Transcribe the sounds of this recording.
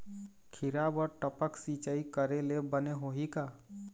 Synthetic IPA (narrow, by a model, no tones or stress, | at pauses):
kʰɪɾabəɾʈəpəksit͡ʃaikəɾelebəneɦoɦikaː